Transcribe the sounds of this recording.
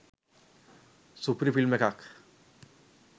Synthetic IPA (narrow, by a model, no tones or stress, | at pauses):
supɾifilmekak